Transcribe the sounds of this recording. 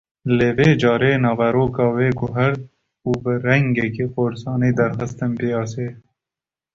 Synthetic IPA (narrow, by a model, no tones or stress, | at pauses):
leːbeːd͡ʒɑːɾeːnɑːʋaɾoːkɑːweːɡuɦɐɾd̪̚ | ubəɾɐŋɡekeqoːɾsɑːniːd̪ɐɾxɐst̪ɐmpiɑːseː